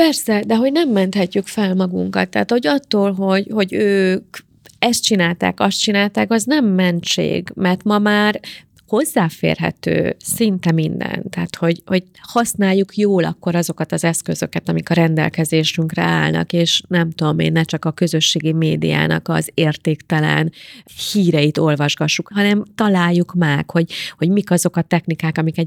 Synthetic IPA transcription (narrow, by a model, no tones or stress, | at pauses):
pɛrsɛd̪ɛɦo̞ɟnɛmːɛnt̪hɛcːykfɛlmɒɡṵŋkɒ̰t̪ːɛːt̪ho̞ɟɒt̪ːoːlɦo̞ɟho̞ɟøːk | ɛst̪̚t͡ʃinaːlt̪a̰ːkɒst̪̚t͡ʃinaːlt̪aːkɒznɛmːɛnt͡ʃḛːɡmɛrt̪mɒmaːr | ho̞zːaːfḛːrɦɛ̰t̪ø̰ːsint̪ɛmind̪ɛ̰nt̪aːt̪ho̞ɟho̞ɟ | hɒsnaːjːukjoːlɒ̰kːo̞ɾɒzo̞kɒt̪ɒzɛskø̞zø̞̰kɛt̪ɒmikɒɾɛnd̪ɛ̰lkɛzeːʃyŋkrɛ̰a̰ːlnɒ̰keːʃnɛmt̪ud̪o̞mḛːnːɛt͡ʃɒkɒkø̞zø̞ʃːeːɡimeːd̪ḭja̰ːnɒ̰kɒ̰zeːrt̪eːkt̪ɛlɛ̰nhiːɾɛit̪o̞lvɒʒɡɒʃːukɦɒnɛmt̪ɒlaːjːukmɛkho̞ɟho̞ɟmikɒzo̞kɒt̪ɛxnikaːkɒmikɛɟ